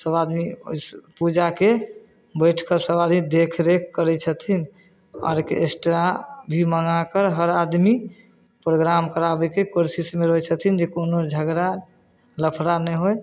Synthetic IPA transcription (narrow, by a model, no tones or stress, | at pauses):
səbad̪mio̰pud͡ʒake | bəjʈʰkəɾsəbad̪mid̪ekʰɾekʰkəɾɛt͡ʃʰət̪ʰin | ɔ̰ɾkeesʈɾabʱiməŋakəɾɦəɾad̪mi | pɾoɡɾamkəɾabɛkekoɾsismeɾoɦɛt͡ʃʰət̪ʰind͡ʒekonod͡ʒʱəɡɾa | ləpʰɾanɛɦoj